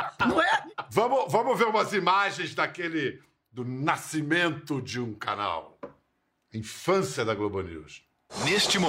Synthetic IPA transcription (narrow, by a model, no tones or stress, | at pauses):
nɐ̃w̃ɛvɐ̃mʊvɐ̃mʊveɾũmɐzimaʒẽj̃zd̪ɐkelɪ | d̪ʊnasimẽnt̪ʊd͡ʒɪũka̰na̰w | ɐĩfɐ̃sjɐd̪ɐɡlobɐ̃nṵs | nest͡ʃɪm